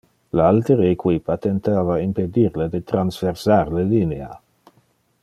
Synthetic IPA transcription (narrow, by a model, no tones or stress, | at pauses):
lealt̪eɾeːkwipat̪ent̪aːvaimped̪iɾled̪et̪ɾansversaɾlelinea̰